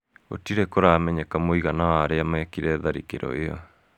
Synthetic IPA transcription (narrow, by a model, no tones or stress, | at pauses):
o̰tiɾekoɾamɛɲekamoiɣanawaːɾeamɛkiɾɛðaɾikḛɾɔ̰eɔ